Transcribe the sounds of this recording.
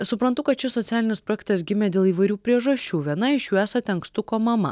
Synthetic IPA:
sʊpɾɐnt̪ʊkɐt̪t͡ʃʲɪsɔt̪ʲæːlʲɪnʲɪspɾoːjɛk̚t̪ɐsɡʲɪmʲeːd̪ʲeːlˠiːʋɐɪɾʲuːpʲɾʲiɛʒɐʃʲt͡ʃʲuːʋʲiɛnɐɪʃjuːæːsɐt̪ʲɪɐŋkst̪ʊkoːmɐmɐ̰

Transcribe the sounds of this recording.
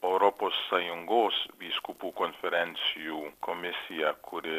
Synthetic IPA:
owɾoposːajuŋɡosbiskupukonfeɾɛnsjukʰomesiakʰude

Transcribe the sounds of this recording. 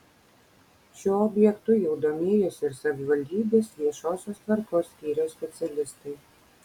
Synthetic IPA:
ʃuɔɔbʲjɛkt̪ujuwd̪ɔmʲiːjɛsɪɾsavʲivalʲd̪ʲiːbʲɛsʲiɛʃɔːsʲoːst̪vaɾkɔːst̪ʲiːɾʲɛsʲpʲɛt̪sʲalʲɪst̪ɨj

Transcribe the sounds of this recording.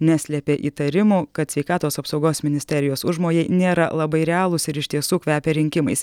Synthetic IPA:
nʲæsʲlʲɛpʲeːʔiːt̪ɐɾʲɪmuːkɐt̪sʲʋʲɛɪkɑːt̪oːsɐpsɒʊɡoːsmʲɪnʲɪsʲt̪ʲɛɾʲɪjoːsʊʒmoːjɛɪnʲeːɾɐ̰lˠɐbɐɪɾʲɛɑːlˠʊsɪɾɪʃt̪ʲiɛsuːkʋʲæːpʲɛɾʲɪŋʲkʲɪmɐɪs

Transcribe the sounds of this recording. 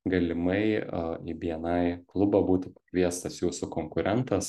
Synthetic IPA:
ɡɐlʲɪmɐɪibʲiɛnɐɪklˠʊbɐbuːt̪ʲɪpɐ̥kʲʋʲiɛst̪ɐsjuːsʊkoːŋkʊɾʲʔɛnt̪ɐs

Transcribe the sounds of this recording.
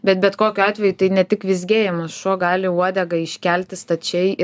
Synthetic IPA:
bʲɛt̪bʲɛt̪koːkʲʊɑːt̪ʲʋʲɛjut̪ɐɪnʲɛt̪ʲɪkʋʲɪzʲɡʲeːjɛmɐsʃuɔɡɑːlʲɪuɔd̪ʲɛɡɐɪʃʲkʲɛlʲt̪ʲɪst̪ɐt͡ʃʲɛɪ

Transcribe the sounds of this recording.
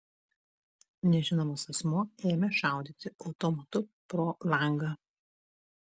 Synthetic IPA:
nʲɛʒʲɪnoːmɐsɐsmuɔeːmʲɛʃɑˑʊd̪ʲiːt̪ʲɪʔɒʊt̪ɔmɐt̪ʊpɾoːlˠɐˑŋɡɐ

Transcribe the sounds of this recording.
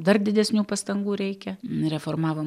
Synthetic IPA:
d̪ɐrd̪ʲɪd̪ʲɛsʲnʲuːpɐst̪ɐŋɡuːɾʲɛɪkʲɛɾʲɛfoːrmɑːʋom

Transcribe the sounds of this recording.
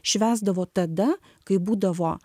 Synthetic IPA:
ʃʲʋʲæːzd̪ɐʋoːt̪ɐd̪ɐ | kɐɪbuːd̪ɐʋoː

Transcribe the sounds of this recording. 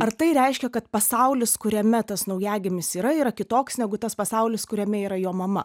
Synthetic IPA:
ɐrt̪ɐɪɾʲɛɪʃʲkʲɛkɐt̪pɐsɐʊlʲɪskʊɾʲɛmʲɛt̪ɐsnɐʊjæːɡʲɪmʲɪsiːɾɐiːɾɐkʲɪt̪oːksnʲɛɡʊt̪ɐspɐsɐʊlʲɪskʊɾʲɛmʲɛiːɾɐjoːmɐmɐ

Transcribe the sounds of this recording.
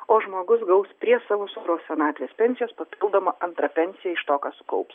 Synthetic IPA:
oːʒmoːɡʊsɡɐʊspʲɾʲiɛsɑːʋoːsoɾoːssʲɛnɑːt̪ʲʋʲeːspʲɛnʲsʲɪjoːspɐpʲɪlˠd̪oːmɐʔɐnt̪ɾɐpʲɛnʲsʲɪjɛɪʃt̪oːkɑːsʊ̥kɐ̰ʊps

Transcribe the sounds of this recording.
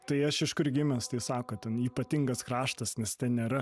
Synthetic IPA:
t̪ɐɪɐʃɪʃkʊrɡʲɪmʲɛst̪ɐɪsɑːkoːt̪ʲɛniːpɐt̪ʲɪŋɡɐskɾɑːʃt̪ɐsnʲɛst̪ʲɛnnʲeːɾɐ

